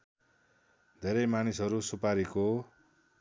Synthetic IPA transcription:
d̪ʱeɾʌjmanisɦʌɾusupaɾiko

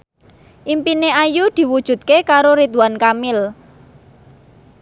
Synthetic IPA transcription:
ʔimpineajud̪̥i̤wud̥ʒ̥ṳt̪̚kekaɾoɾit̪uwankamɪl

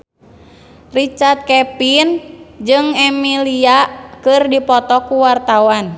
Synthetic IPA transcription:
rit͡ʃart̪̚kɛpind͡ʒɨŋɛmiliaʔkɨrdipɔt̪ɔkuwart̪awan

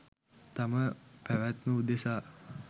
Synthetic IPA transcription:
t̪aməpæʋæt̪məud̪esaː

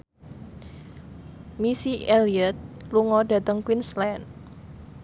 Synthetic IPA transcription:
misieliət̪̚luŋɔda̤t̪əŋkwinslan

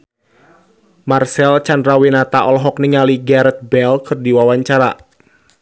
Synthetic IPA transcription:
marsɛlt͡ʃandɾawinat̪aʔɔlɦɔk̚niŋaliɡaɾɛt̪̚bɛlkʰɨrdiwawaɲt͡ʃaɾa̰

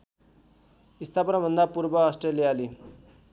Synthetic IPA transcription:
ist̪ʰapʌnabʱʌnd̪apuɾbʌːsʈrelijali

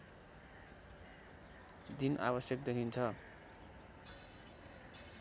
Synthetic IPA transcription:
d̪inʔa̰βʌsjʌk̚d̪ekʰint͡sʰʌ

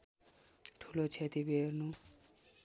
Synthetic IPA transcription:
ʈʰulot͡ʃʰet̪ibieɾnu

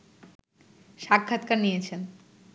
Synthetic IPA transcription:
ʃakʰːat̪kaɾnijet͡ɕʰen

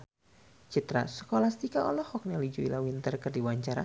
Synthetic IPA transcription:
t͡ʃit̪ɾa̰sə̥kolast̪ikaɔlɔhɔk̚nalid͡ʒuilawint̪ərkərdiwaɲt͡ʃaɾa̰

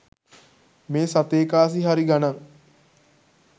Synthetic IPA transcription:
meːsat̪eːkaːs̬iɦaɾiɡanaŋ

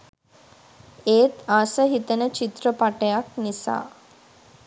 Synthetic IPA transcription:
eːt̪asəɦit̪ənət͡ʃit̪rəpaʈəjaknisa̰ː

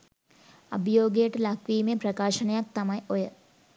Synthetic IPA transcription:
ɐ̰bʱjoːɡeːʈlakʋimẽpɾɐkaːʃɐnɐjɐk̚t̪ɐmɐjojə

